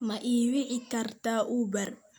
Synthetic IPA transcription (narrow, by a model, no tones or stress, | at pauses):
mɐʔiːwɪʕɪkʰɐrt̪ʰaʔuːbɐr